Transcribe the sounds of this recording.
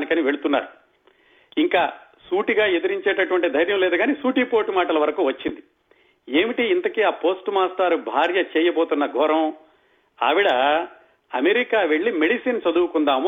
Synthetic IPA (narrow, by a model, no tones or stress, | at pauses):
nikɐniʋe̞ɭut̪unːa̰ːɾu | iŋkaː | suːʈiɡaːed̪ɐɾiɲt͡ʃeːʈɐʈuʋɐɳʈid̪ʱɐjɾjɐmlɛːd̪uɡaːnisuːʈipoːʈimaːʈɐlɐʋɐɾɐkuːʋɐt͡ʃːind̪i | e̞ːmiʈiːnt̪ɐkiaːpo̞ːsʈmaːst̪aːɾubʱaːɾjɐt͡ʃɛːjɐboːt̪unːɐɡʱɔɾɐm | a̰ːʋiɽɐ | ɐmeɾikaːʋe̞ɭːime̞ɽisint͡ʃɐd̪uːkund̪aːmu